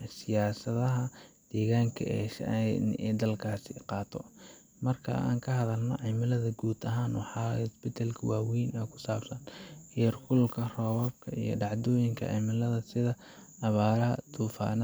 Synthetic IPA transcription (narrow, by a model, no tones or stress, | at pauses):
sɪjaːsɐðɐɦɐd̪̥ɛːɣaːŋkʰɐ̰ɛːʃɛ̰d̪ɐlkʰaːsɪqɑːt̪ʰɔ | mɐrkʰɐ̰a̰ːŋkʰɐɦɐðɐlnɔ̰ʕɛmɪlɐðɐɡuːd̪ɐɦaːnwɑħɑːsbɪt̪ʰalkʰɐwaːwinɛːkʰʊ̥saːbsɐnhɪjrkʰʊlkʰɐrɔːwɐb̚kʰɐḭjɞ̰ɖɑʕd̪ɔːjɪŋkʰɐ̰ʕɛmɪlɐðɐsɪðɐ | ʔɐβaːɾɐɦɐd̪ʰuːfa̰ːnɐ